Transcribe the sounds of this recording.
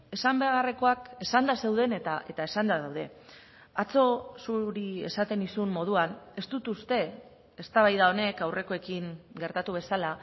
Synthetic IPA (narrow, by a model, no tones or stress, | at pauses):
e̞sambe̞ɣare̞ko̞ake̞sand̪ase̞wðe̞net̪aʔe̞t̪ae̞sand̪aðawðe̞ | at͡so̞suɾie̞̰sat̪e̞nisummo̞ð̞uane̞st̪ut̪ust̪e̞ | est̪aβajðao̞ne̞kawre̞ko̞e̞kiŋɡe̞ɾt̪at̪uβ̞e̞sala